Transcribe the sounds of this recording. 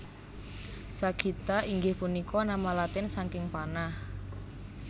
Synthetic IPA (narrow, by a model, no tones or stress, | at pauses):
saɡ̥ʰit̪aiŋɡɪhpunikɔnamalat̪ɪnsaŋkɪŋpanah